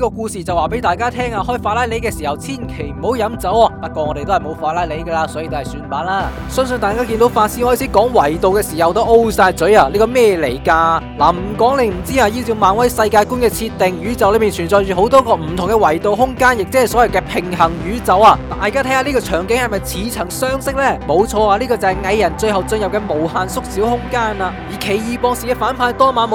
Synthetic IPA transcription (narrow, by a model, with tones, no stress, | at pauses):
niː˥kɔː˧kuː˧siː˨t͡sɐ˨waː˨pe˨˥jt̪aː˨˩jkaː˥t̪ʰɛː˥ŋaː˧ɦɔː˥˩jfaː˧˥laː˥le˨˥jkɛː˧siː˨hɐ˨wt͡sʰiː˥˩nkʰe˨˩jm̩˨˩ho˨˥wjɐ˨˥mt͡sɐ˨˥wɔ˧faː˧kʷːɔː˧ŋɔ˨˧t̪e˨t̪o˥hɐ˨˩ho˨˧˥wfaː˧t̚laː˥jle˨˥jkaː˧laː˧˥sɔː˨˥jːt̪o˥hɐ˨˩syː˧npaː˨˥n̚laː˥˩ | sœ˥ŋs̬ɵ˧nt̪aː˨jkaː˥k̬iː˧nt̪o˨˥wfaː˧t̚siː˥nhɔː˥˩t͡sʰiː˨˥kɔː˨˥ŋwɐ˨˩jt̪o˨wkɛː˧siː˨˩hɐ˨wt̪o˥wʔo˥wsaː˧jt͡sɵ˨˥jaː˧liː˥kɔː˧mɛː˥jɛː˧le˨˩jkaː˧laː˨˩m̩˨˩kɔː˨˥ŋle˨˧jm̩˨˩t͡siː˥aː˧jiː˧˥t͡siː˧wmaː˨˧nwɐ˥jsɐ˧jkaː˧jkuː˥nkɛː˧t͡sʰi˧t̪ːɪ˨ŋjyː˨˥t͡sɐ˨˩wlmiː˨˩nt͡ʃʰyː˨˩nt͡sɔː˨jyː˨ho˨˥wt̪ɔː˥kɔː˧m̩˨˩t̪ʰʊ˨˩ŋkɛ˧wɐ˨˩jt̪o˨wɦʊ˥ŋkaː˥njɪ˨k̚t͡sɛː˧˥hjsɔ˨˥jɐ˨˩wkɛː˧pʰɪ˨ŋɦɐ˨˩ŋjyː˨˥t͡sɐ˨˧waː˧t̪aː˨˧jkaː˥t̪ʰɛ˥ŋa˨˧liː˥kɔː˧t͡ʃʰœː˨˩ŋkɪ˨˥ŋhɐ˨jmɐ˨jt͡sʰiː˨˥t͡sʰɐ˨˩ŋsœː˥ŋsɪ˥k̚lɛː˥˩mo˨˧wt͡ʃʰɔː˧aː˧liː˥kɔː˧t͡sɐ˨hɐ˨jŋɐ˧jːɐ˨˩nt͡ʃɵ˧ɥhɐ˨wt͡sɵ˧njɐ˨p̚kɛː˧mo˨˩whaː˨nsʊ˥k̚siː˨˥whʊ˥ŋkaː˥na˧jiː˨˩kʰe˨˩jjiː˨pɔː˧ŋsiː˨kɛ˥faː˨˥npʰaː˨˧˥jt̪ɔː˥maː˨˧˥n˨